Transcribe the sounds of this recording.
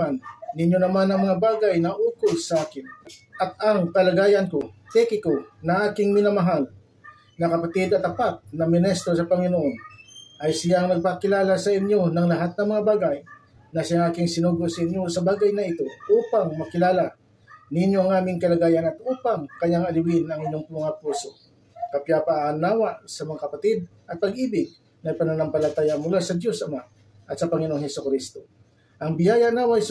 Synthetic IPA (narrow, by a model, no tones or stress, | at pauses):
anːɪnjonɐmanɐŋmɐŋabaːɡajnɐʔuːkolsɐʔaːkɪnʔɐt̪̚ɐŋkɐlɐɡaːjɐnko̞t̪ɛkɪkonɐʔaːkɪŋmɪnamɐɦal | nɐkɐpɐt̪ɪd̪ɐt̪ɐpat̪̚nɐmɪnɛst̪ɾo̞sɐpɐŋɪnoʔo̞nʔɐjsɪjaŋnɐɡ̚pakɪlaːlasɐʔɪɲjo̞nɐŋlɐɦat̪̚nɐmɐŋabaːɡaj | nɐsɪjaŋʔaːkɪŋsɪnuːɡosɐʔɪnjo̞sɐbaːɡɐjnɐɪt̪o̞ʔuːpaŋmɐkɪlaːla | nɪnjoɐŋʔaːmɪŋkɐlɐɡaːjɐnɐt̪̚ʔuːpaŋkɐɲaŋɐlɪwɪnɐŋɪɲjo̞ŋpʊmɐŋapuːso̞ | kɐpjapɐʔːnaːwasɐmɐŋakɐpɐt̪ɪd̪̚ʔɐt̪̚pɐɡ̚ʔiːbɪɡ̚ | nɐɡpɐnanɐmpɐlɐt̪aːjɐmʊlasɐd̪jo̞sɐmaʔ | ʔɐt̪̚sɐpɐŋɪnoŋhɛsʊkɾist̪o̞ | ʔɐŋbɪjaːjɐʔnawɐhs